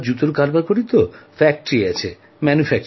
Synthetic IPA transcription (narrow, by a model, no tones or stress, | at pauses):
d͡ʑut̪oɾkaɾbakoɾit̪ofɛk̚ʈoɾiɛt͡ɕʰe | mɛnufɛk̚t͡ɕ